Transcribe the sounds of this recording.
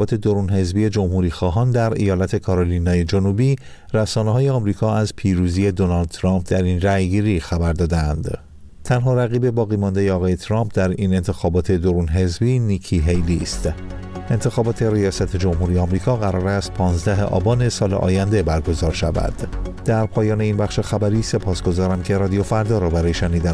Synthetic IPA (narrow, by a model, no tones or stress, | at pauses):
bɒːt̪ʰe̞d̪o̞ɾuːnɦe̞zbije̞d͡ʒo̞mhuɾiːxɒːɦɒːnd̪æɾḭjɒːlæt̪ʰe̞kʰɒɾoliːnɒːje̞d͡ʒo̞nubiː | ræsɒːneɦɒːjeɒmɾiːkʰɒːæzpʰiːɾuzie̞d̪o̞nɒːld̪̚t̪ʰɾɒmp̚ʰd̪æɾinræjɡiːɾiːxæbæɾd̪ɒːd̪eænd̪ | t̪ʰænɦɒːɾæɣiːbe̞bɒːɣiːmɒnd̪e̞jeɒːɣɒːje̞t̪ʰɾɒmpʰd̪æɾiːne̞nt̪ʰe̞xɒːbɒːt̪ʰe̞d̪o̞ɾuːnɦe̞zbiːniːkʰiɦejliːst̪ | e̞nt̪ʰe̞xɒːbɒːt̪ʰe̞ɾijɒːsæt̪ʰe̞d͡ʒo̞mhuɾijeɒmɾiːkʰɒːɣæɾɒːɾæst̪̚pʰɒːnzd̪æɦḛʔɒ̰ːbɒːne̞sɒːlḛʔɒ̰ːjænd̪e̞bæɾɡo̞zɒːɾʃævæ̰d̪̥d̪æɾpʰɒːjɒːne̞inbæχʃe̞xæbæɾiːse̞pʰɒːsɡo̞zɒːɾæmcʰe̞ɾɒːd̪ijo̞fæɾd̪ɒːɾɒːbæɾɒːjeʃæniːd̪æ